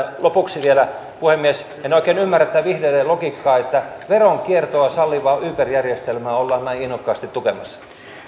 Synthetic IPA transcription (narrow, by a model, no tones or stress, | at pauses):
lopuksiʋielæ | puhemːies | enoikeːnymːæret̪ːæʋihdelːelokikːɑːet̪ːæʋeroŋkiert̪oɑsɑlːiʋɑːʔyːpærjærjest̪elmæːolːɑːnnæiinːokːɑːst̪it̪t̪ːukemɑsːɑ̥